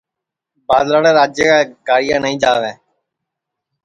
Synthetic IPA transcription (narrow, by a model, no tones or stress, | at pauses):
baːd̪laːɽeːɾaːd͡ʒjeːkaːɡaːɾɪjãːnəĩːd͡ʒaːʋẽː